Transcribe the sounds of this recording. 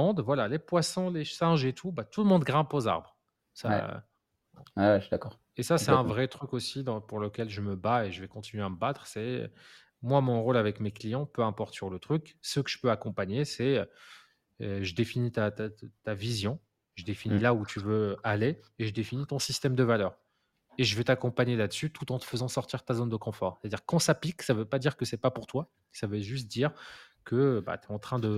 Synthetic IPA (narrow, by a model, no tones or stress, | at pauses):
ɔ̃d̪vwalalepwasɔ̃lesɛ̃ʒet̪ʰubat̪uləmɔ̃d̪ɡʁɛ̃poza̰ʁbʁ | sa̰ | ɛwʃd̪akɔʁ | esasɛt̪ɛ̃vʁɛt̪χykosid̪ɑ̃puʁləkʲɛlʒəməbaeʒəvɛkɔ̃t̪inɥeaməbat̪χsɛø̰ | mwamɔ̃ʁolavɛkmeklijɑ̃pøɛ̃pɔʁt̪syʁlət̪χyksəkə̥ʒ̥ə̥pøakɔ̃paɲesɛø | øʒəd̪efinit̪at̪at̪avizjɔ̃ | ʒəd̪efinilaut̪ʰyvøaleeʒəd̪efinit̪ɔ̃sist̪ɛmd̪əvalœːʁ | eʒəvɛt̪akɔ̃paɲelad̪əsyt̪ʰut̪ɑ̃t̪ə̥fəzɑ̃sɔʁt̪iʁt̪azond̪əkɔ̃fɔʁse̥t̪ad̪iʁkɑ̃sapiksavøpad̪iʁkəsɛpapuʁt̪wa | savøʒyst̪̚d̪iʁkʰəba̰t̪ɛɑ̃t̪χɛ̃d̪ə